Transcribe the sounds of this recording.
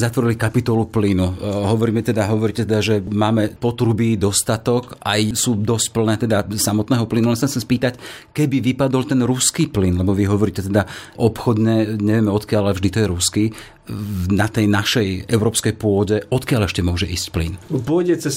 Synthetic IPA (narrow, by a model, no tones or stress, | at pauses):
zat̪ʋɔɾilikapit̪ɔluplinuɦɔʋɔɾiːmɛt̪ɛd̪aɦɔʋɔɾiːcɛt̪ɛd̪aʒɛmaːmɛpɔt̪ɾubid̪ɔst̪at̪ɔkajsuːd̪ɔsc̚pl̩nɛːt̪ɛd̪asamɔt̪nɛːɦɔplinualɛnsaxsɛmspiːt̪ac | kɛbiʋipad̪ɔlt̪ɛnɾuskiːplinlɛbɔʋiɦɔʋɔɾiːcɛt̪ɛd̪aʔɔpxɔd̪ɲɛɲɛʋɪɛmɛɔt̪kɪalalɛvʒd̪it̪ɔjɛɾuskiː | nat̪ɛjnaʃɛjɛʊɾɔːpskɛjpʊɔɟɛʔɔt̪kɪalɛʃcɛmʊɔʒɛʔḭːscplḭnpʊɔjɟɛt͡sɛs